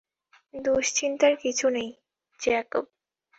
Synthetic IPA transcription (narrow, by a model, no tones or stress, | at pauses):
d̪oʃt͡ɕint̪aɾkit͡ɕʰunej | d͡ʑɛkob̚